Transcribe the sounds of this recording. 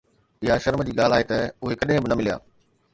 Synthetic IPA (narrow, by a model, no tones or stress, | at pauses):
ɪɦaʃɐɾməd͡ʑiːɠaːl̤aːɦet̪ɐʊɦekɐɗɦɪ̃bɪnɐmɪlija̰ː